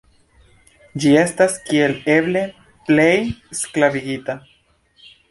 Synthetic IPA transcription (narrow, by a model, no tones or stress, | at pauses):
d͡ʒie̞staskie̞le̞ble̞ | ple̞jsklaviɡit̪a